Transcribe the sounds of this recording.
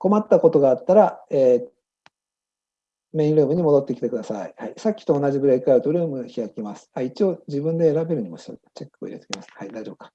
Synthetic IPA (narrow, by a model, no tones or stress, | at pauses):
ko̞mat̪ːako̞t̪o̞ɡaːt̪ːaɾaeː | me̞ĩnɾɯ̟ːmɯ̟ɲ̟imo̞d̪o̞t̪ːe̞kʲi̥t̪e̞kɯ̟d̪asa̰ihaisakʲːi̥t̪o̞ːnaʑibɯ̟ɾe̞ikɯ̟aɯ̟t̪oɾɯ̟ːmɯ̟çiɾakemasɨ̥ait͡ɕio̞d͡ʑibɯ̟̃nd̪e̞ːɾabe̞ɾɯ̟ɲ̟imo̞̰ɕi̥o̰t͡ɕekːɯo̰ḭɾe̞t̪ekʲimasɨ̥haid̪aiʑo̞bkḁ